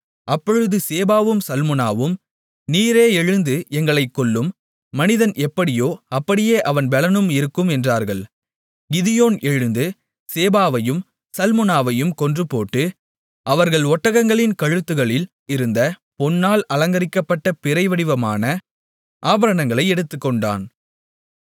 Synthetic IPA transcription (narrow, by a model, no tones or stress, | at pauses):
ʔɐpːɔɻɯðɯseːbaːʋɯmsɐlmɯnaːʋɯm | niːɾeːɛɻɯnd̪ɯʔɛŋɡɐɭɐɪkːɔɭːɯmː | ɐnɪðɐnʔɛpːɐɽɪjoːɐpːɐɽɪjeːʔɐʋɐnbɛlɐnɯmɪɾɯkːɯmɛndraːɾɣɐɭ | ɡɪðɪjoːnɛɻɯnd̪ɯ | seːbaːʋɐjɯm | sɐlmɯnaːʋɐjɯmkɔndrɯpoːʈːɯ | ʔɐʋɐɾɣɐɭɔʈːɐɣɐŋɡɐɭɪnkɐɻɯt̪ːɯɣɐɭɪl | ɪɾɯnd̪ɐpɔnːaːlɐlɐŋɡɐɾɪkːɐpːɐʈːɐpɪɾɐɪʋɐɽɪʋɐmaːnɐ | ʔaːbɐɾɐnɐŋɡɐɭɐɪɛɽɯt̪ːɯkːɔɳɖa̰ːn